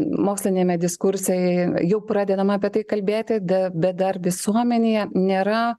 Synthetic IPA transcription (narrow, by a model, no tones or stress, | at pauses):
moːksʲlʲɪnʲeːmʲɛd̪ʲɪskʊɾʲsʲɛjɛjɛʊpɾɑːd̪ʲɛd̪ɐmɑːpʲiɛt̪ɐɪkɐlʲbʲeːt̪ʲɪd̪ɐbʲɛt̪̚d̪ɐrʋʲɪsuɔmʲɛnʲejɛnʲeːɾɐ